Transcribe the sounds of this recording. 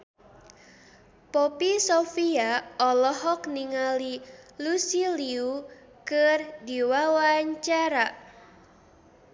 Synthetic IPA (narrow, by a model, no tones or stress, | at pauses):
popisofiaɔlɔɦɔkniŋalilusiliu | kɨrdiwawaɲt͡ʃaɾa